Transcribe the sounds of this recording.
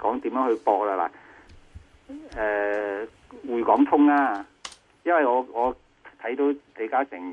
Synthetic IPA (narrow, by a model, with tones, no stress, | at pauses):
kɔː˨˥ŋt̪iː˨˥mjœː˨˥ŋhɵ˧ɥpɔː˧k̚la˧la̰˨˩ | ɛː˨˧ | wuː˨˧jkɔː˨˥ŋt̪ʰʊ˥ŋaː˧ | jɐ˥nwɐ˨jŋɔː˨˧ŋɔː˨˧ | t̪ʰɐ˨˥jt̪o˨˧wt̪e˨˧kaː˥sɪ˨˩ŋ